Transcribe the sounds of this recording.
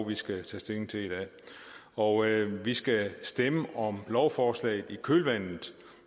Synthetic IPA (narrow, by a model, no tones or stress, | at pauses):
ʋisɡ̥æt͡sʰɛ̰ːsd̥eŋŋ̩t͡sʰe̝id̥ɛ̰ | ɒʋisɡ̥æsd̥eməʔɒ̽mlɒʊfɒːslɛ̰ɪð̩ˠikʰølʋæn̰ð̩ˠ